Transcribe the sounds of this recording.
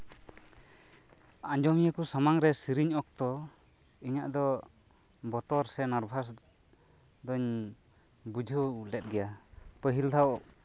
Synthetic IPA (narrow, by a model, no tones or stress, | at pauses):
aɲd͡ʒɔmijakusamaŋɾɛsiɾiɲɔk̚t̪ɔ | iɲaʔd̪ɔ | bɔt̪ɔɾsɛnaɾbʱas | d̪ɔɲ | bud͡ʒʱəwlɛt̪̚ˀɡɛjapəɦild̪ʰʱaw